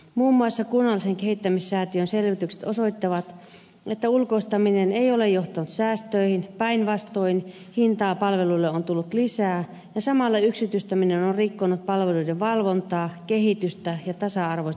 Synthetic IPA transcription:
muːmːuɑsːɑkunːɑlːˑiseŋkeɦhit̪ːæmisːæːt̪iønselʋit̪ykse̥t̪osoit̪ːɑʋɑt̪ | et̪ːæulkoist̪ɑmineneijolejoht̪ɑnut̪sæːst̪øihinpæinʋɑst̪oin | hint̪ɑːpɑlʋelulːeont̪ulːut̪lisæː | jɑsɑmɑlːɑyksit̪yst̪æminenonrikːonut̪̚pɑlʋeluideʋʋɑlʋont̪ɑːkehit̪yst̪æjɑt̪ɑsɑɑrʋos

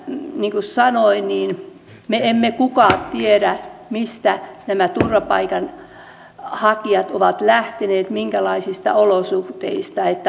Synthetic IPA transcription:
niːŋkussɑnoiniːn | meemːekukɑːt̪t̪ieɾæmist̪ænæmæt̪urʋɑpɑ̰ikɑn | hɑkiɑt̪oʋɑt̪læht̪eneːt̪miŋkælɑisist̪ɑ̰olosuht̪ḛist̪ɑet̪ːæ

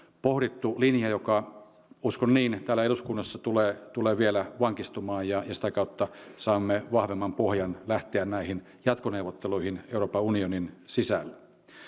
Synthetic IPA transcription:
pohɾit̪ːulinjɑjokɑ | uskonniːnt̪æːlæeluskunːɑsːɑt̪uleːt̪uleːʋielæʋɑŋkist̪umɑːjjɑjɑsi̥t̪ækɑut̪ːɑsɑːmːeʋɑhʋemːɑmpohjɑnlæht̪eænnæihin | jɑt̪koneuwʋˑot̪ːeluihineuropɑunioninsisælːæ

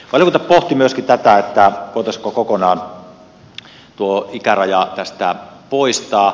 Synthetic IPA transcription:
kɑljokunt̪ɑppoht̪imyøskit̪æt̪æet̪ːækoˑt̪ɑskokokonɑːn | t̪uoikærɑjɑt̪æst̪æ̰poist̪ɑː

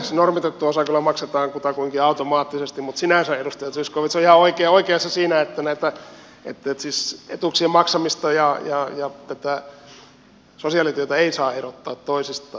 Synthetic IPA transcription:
snormit̪et̪ːuosɑkylːɑmɑkset̪ɑːŋkut̪ɑkuiŋkiɑut̪omɑːt̪ːisest̪imut̪sinæˑsæedust̪ɑjɑt̪syskoʋit̪seoihɑoikeːoikeɑsːɑsiːnæet̪ːænæit̪æ | ḛt̪ːet̪siːsḛt̪uksiemmɑksɑmist̪ɑjɑjɑjɑt̪æt̪æ | sosiɑˑlit̪yøt̪æeisɑːerot̪ːɑːt̪toisist̪ɑ

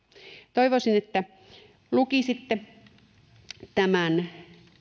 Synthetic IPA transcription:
t̪oiʋosinet̪ːæ | lukisit̪ːe | t̪æmæn

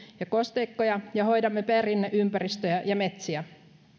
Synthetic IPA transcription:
jɑkost̪eikːojɑjɑho̞jdɑmːeperinːeʔympærist̪øjæjɑmet̪siæ

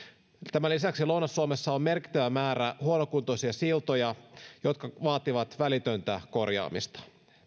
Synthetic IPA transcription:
t̪æmælisæksilownɑsːuomesːɑomme̞rki̥t̪ːøʋæmæːɾæhuonokunt̪osiɑsilt̪ojɑjo̞t̪̚kɑʋɑːt̪iʋɑt̪ʋælit̪ø̞nt̪æko̞rjɑ̰ːmḭst̪ɑ̥

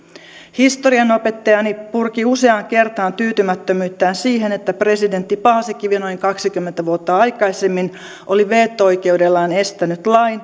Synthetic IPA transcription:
hist̪oɾiɑno̞pe̞t̪ːɑjɑnipurkiuse̞ɑŋke̞rt̪ɑːnt̪yːt̪ymæt̪ːømyːt̪ːæːnsiːɦe̞ne̞t̪ːæpre̞side̞nt̪ːipɑːsekːiʋino̞ijŋkɑksikymːent̪æʋuot̪ːɑɑjkɑisemːin | ʔo̞liʋe̞ːt̪ːo̞jke̞udelːɑːne̞st̪ænyt̪lɑjn

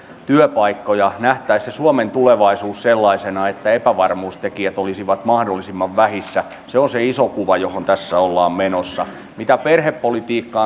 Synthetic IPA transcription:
t̪yøpɑikːojɑnæht̪æissesuoment̪uleʋɑisuːsselːɑisenɑet̪ːæepæʋɑrmuːst̪ekiæt̪olisiʋɑt̪mɑhdolːisimːɑʋʋæhisːæ | seonseisokuʋɑjohont̪æsːæolːɑːmmenosːɑ | mit̪æperhepːolit̪iːkːɑː

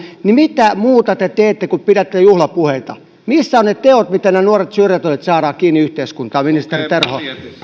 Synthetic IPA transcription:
nimit̪æmuːt̪ɑt̪et̪eːt̪ːekupiɾæt̪ːejuhlɑpuheit̪ɑ̰ | misːæonnet̪eot̪mit̪ænenuoret̪syrjæt̪olʲet̪sɑːɾɑːkiːniyht̪eiskunt̪ɑːminist̪erit̪erho

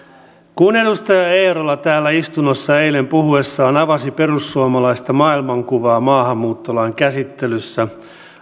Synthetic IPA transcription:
kune̞dust̪ɑjɑe̞jɾolːɑt̪æːlːæist̪unosːɑe̞jle̞mpuhue̞sːɑːnɑʋɑsipe̞rusːuomɑlɑist̪ɑmɑːilmɑŋkuʋɑːmɑːɦɑmːuːt̪ːolɑːŋkæsit̪ːelysːæ

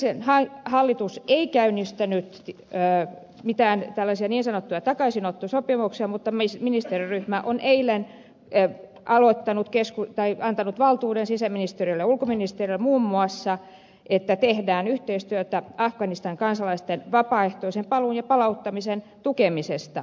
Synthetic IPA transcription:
senhɑhɑlːit̪useikæynist̪ænyt̪ː | mit̪æːnt̪ælːæsiɑniːnsɑnot̪ːujɑt̪ɑkɑisinot̪ːusopimuksiɑmut̪ːɑmisminist̪eriryhmæʔonʔeilen | ʔɑlot̪ːɑnut̪keskut̪ɑiɑnt̪ɑnut̪ʋɑlt̪uːdensisæminist̪erilːeulkominist̪erilmuːmːuɑsːɑ | ʔet̪ːæt̪ehdæːnyht̪eist̪yøt̪æɑfɡ̥ɑnist̪ɑŋkɑnsɑlɑist̪enʋɑpɑːeht̪oisempɑluːnjɑpɑlɑut̪ːɑmisen | t̪ukemisest̪ɑ

